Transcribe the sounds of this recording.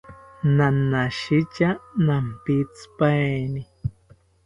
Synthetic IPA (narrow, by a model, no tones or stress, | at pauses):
nanːaʃit͡ʃanampit͡spaeni